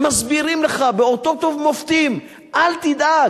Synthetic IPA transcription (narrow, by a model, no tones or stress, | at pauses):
mazbiʁimleχabeo̞t̪o̞t̪ovmoft̪im | ʔalt̪id̪a